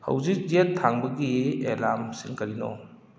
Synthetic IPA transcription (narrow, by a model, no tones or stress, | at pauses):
hɐ̰wzik̚zetʰːaŋbɐɡielamsiŋkɐɾinɔ̰